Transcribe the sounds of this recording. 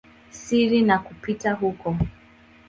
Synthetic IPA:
siɾinakupitaɦukɔ

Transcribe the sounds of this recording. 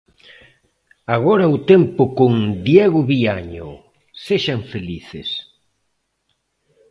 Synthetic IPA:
aɣ̞ɔɾɐʊt̪empʊkoŋd̪jɛɣʊβiaɲʊ | seʃaŋfeliθɪ̰s

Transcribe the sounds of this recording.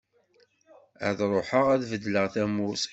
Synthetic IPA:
æ̰ðɾˤoħəʁæðvəd̪ːləʁθæmus

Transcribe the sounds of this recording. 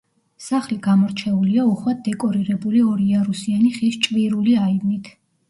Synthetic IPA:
saχliɡ̥amɔɾt͡ʃʰɛuliauχwad̪̚d̪ɛkʼɔɾiɾɛbuliɔɾiaɾusianiχist͡ʃʼviɾuliaivnit̪ʰ

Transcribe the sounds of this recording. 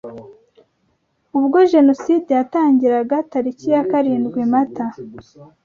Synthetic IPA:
uβɡo̞ʒe̞no̞sidejataːɲɟiɾaɡataɾicijakaɾiːndɡwimata

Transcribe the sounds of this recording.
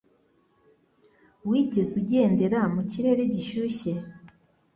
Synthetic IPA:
wiːɟe̞zuɟe̞ːnde̞ɾamuciɾe̞ɾeɟiʃuçe̞

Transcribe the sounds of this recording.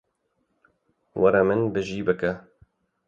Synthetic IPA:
wʔɐɾɐmɨnbɨʒiːbɨkɛ

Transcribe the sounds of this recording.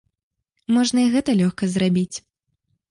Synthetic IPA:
mɔʐnɐiɣɛt̪ɐlʲɔxkɐzrabʲit͡sʲ

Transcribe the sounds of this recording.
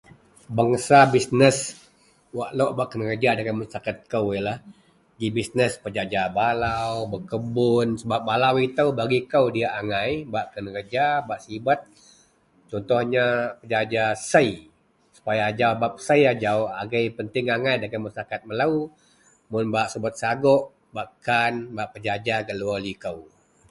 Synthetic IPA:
baŋsabisnəs | waʔlɔʔbaʔkənəkəd͡ʒadakəmasakat̪̚kəwialah | ɡibisnəspəd͡ʒad͡ʒabalawbəkəbʊnsəbap̚balawit̪əwbaɡikəwdiaʔaŋajbaʔkənəkəd͡ʒabaʔsibat̪̚ | t͡ʃɔnt̪ɔhɲapəd͡ʒad͡ʒasəj | su̥pajad͡ʒabap̚səjad͡ʒaʊhaɡəjpənt̪ɪŋaŋajdakəmasakat̪̚məlau | mʊnbaʔsəbət̪̚saɡɔʔ | baʔkanbaʔpəd͡ʒad͡ʒaɡəlualikəw

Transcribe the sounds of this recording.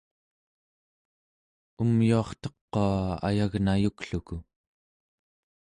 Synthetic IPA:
umjuɑχt̪ʌqːoaa̰jaɣnajukɬuku

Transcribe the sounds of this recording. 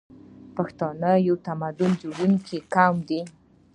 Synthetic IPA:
paxt̪ɑnəjawt̪amad̪ʊnd͡ʒoɽuŋkikamd̪i

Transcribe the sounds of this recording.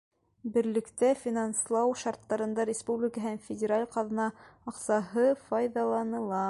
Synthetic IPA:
bɘ̆ɾlɘ̆kt̪æfʲinɑnslˠɑwʃɑɾt̪ːɑɾɤ̆nd̪ɑɾʲɪspublʲɪkəɦænfʲɪdʲɪɾalʲqɑðnɑɑqsɑɦɤfɑjðɑlˠɑnɤ̆lˠɑ

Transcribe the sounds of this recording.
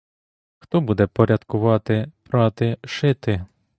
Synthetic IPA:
xt̪ɔbud̪ɛpɔɾʲɐd̪kʊʋɑt̪ɪpɾɑt̪ɪʃɪt̪ɪ

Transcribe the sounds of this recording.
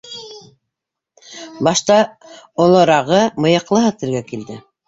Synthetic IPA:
bɑʃt̪ɑŏlˠɤ̆ɾɑʁɤmɤ̆jɤ̆qlˠɤɦɤt̪ɘ̆ɾɡækild̪ɘ

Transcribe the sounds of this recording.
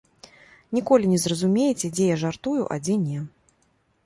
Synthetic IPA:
nʲikɔlʲinʲɛzrɐzumʲejɛt͡sʲɛd͡zʲɛjaʐart̪ujṵʔa̰d͡zʲɛnʲɛ

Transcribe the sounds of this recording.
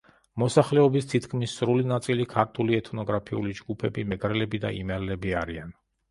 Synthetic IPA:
mɔsaχlɛɔbist̪ʰit̪ʰkʰmisːɾulinat̪sʼilikʰaɾt̪ʰuliɛt̪ʰnɔɡɾapʰiṵlid͡ʒɡupʰɛbimɛɡɾɛlɛbid̪a̰ʔḭmɛɾlɛbiaɾian

